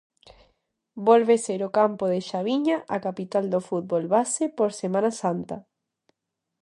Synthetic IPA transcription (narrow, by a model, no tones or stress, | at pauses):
bolβeseɾokampoðeʃaβiɲaʔakapit̪ald̪ofut̪̚βolβasepoɾsemãnasant̪a